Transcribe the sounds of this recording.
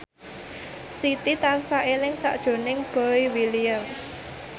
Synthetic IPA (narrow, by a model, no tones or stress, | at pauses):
sit̪it̪ansaʔelɪŋsa̰ʔd̥ʒ̥o̤nɪŋb̥ɔjwiliəm